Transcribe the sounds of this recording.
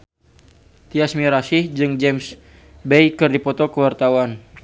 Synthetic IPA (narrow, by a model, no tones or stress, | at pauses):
t̪iasmiɾasihd͡ʒɨŋd͡ʒɛms | bejkɨrdipɔt̪ɔkəwart̪awan